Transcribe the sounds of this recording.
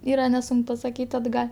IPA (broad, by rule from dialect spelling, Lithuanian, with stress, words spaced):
ˈiːrɐ nʲɛˈsʊŋk pɐsɐkʲiːtʲ ɐdˈɡɐlʲ